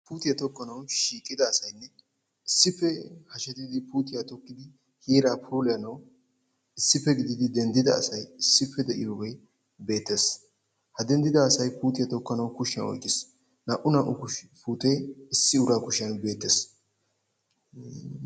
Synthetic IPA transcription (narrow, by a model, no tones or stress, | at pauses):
puːt̪ɪjɐt̪ɔkːɐnɐwʃiːkʼːɪd̪ɐːsɐjnːɛ | ɪsːɪfːɛhɐʃɛt̪ɪd̪ɪpuːt̪ɪjat̪ɔkːɪd̪ɪ | hiːɾaːpʰuːlɪjɐnɐw | ɪsːɪfːɛɡɪd̪ɪd̪ɪd̪ɛnd̪ɪd̪ɐ̰ːsɐjɪsːɪfːɛd̪ɛʔɪ̰joːɡɛ | be̞ːt̪ːes | hɐd̪ɛnd̪ɪd̪ɐːsɐjpuːt̪ɪjɐt̪ɔkːɐnɐwkʊʃɪɐnɔ̰jkʼːɪs | nɐʔʊnɐʔʊkʊpuːt̪ʼejɪsːɪʊɾaːkʊʃɪjɐnbe̞ːt̪ːes